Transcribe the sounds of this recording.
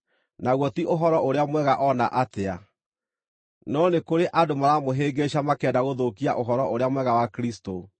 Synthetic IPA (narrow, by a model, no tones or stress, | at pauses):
naɣwɔtiʔoɦɔɾɔʔoɾeamwɛɣaʔɔnaʔatea | nɔnekoɾeʔadomaɾamoɦeːɡeɕamakɛːdaɣoðokia̰ʔoɦɔɾɔʔoɾeamwɛɣawakɾisto